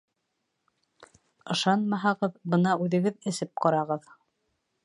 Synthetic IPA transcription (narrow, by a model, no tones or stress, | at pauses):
ɤ̆ʃɑnmɑɦɑʁɤðbɤnɑʉðɘ̆ɡɘðɘ̆sɘp̚qɑɾɑʁɤð